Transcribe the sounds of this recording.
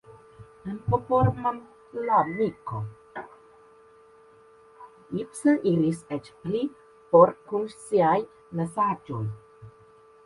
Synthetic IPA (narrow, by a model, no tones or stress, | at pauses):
ənpopoɾman | lamiko | ipsəʔiliset͡ʃpli | poɾkunsiaj | mesad͡ʒoj